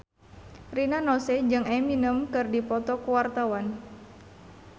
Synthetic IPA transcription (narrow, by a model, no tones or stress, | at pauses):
rinanɔsɛd͡ʒɨŋɛminəmkɨrdipɔt̪ɔkuwart̪awan